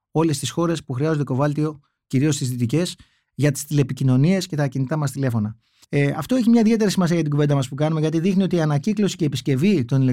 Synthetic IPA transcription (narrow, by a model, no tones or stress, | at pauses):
o̞le̞st̪isxo̞ɾe̞spuxɾiɐzod̪e̞ko̞vɐlt̪io̞ | ciɾio̞st̪izðit̪ice̞s | ʝɐt̪i̥st̪ilepicino̞nie̞sce̞t̪ɐcinit̪ɐmɐst̪ile̞fo̞nɐ | ɐft̪o̞e̞çimɲɐiðʝe̞t̪e̞ɾisimɐsiɐjɐt̪iɡuve̞d̪ɐmɐspukɐnumeʝɐt̪iðixnio̞t̪iɐnɐciklo̞si̥ceːpisce̞vit̪o̞nile